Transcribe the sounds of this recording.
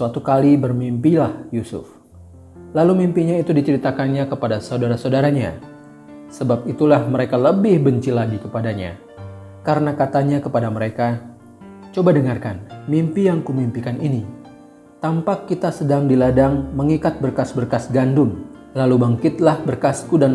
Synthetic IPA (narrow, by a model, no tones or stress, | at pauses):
suat̪ukalibərmimpilahjusʊ̰f | lalumimpiɲait̪udit͡ʃəɾit̪akanɲakəpadasaudaɾasaudaɾaɲa̰ | səbap̚it̪ulahməɾekaləbɪhbəɲt͡ʃilaɡikəpadaɲa̰ | kaɾənakat̪aɲakəpadaməɾeka | t͡ʃobadəŋarkanmimpijaŋkumimpikanini | t̪ampakːit̪asədaŋdiladaŋməŋikat̪̚bərkasbərkasɡandʊn | lalubaŋkɪt̪lahbərkaskudan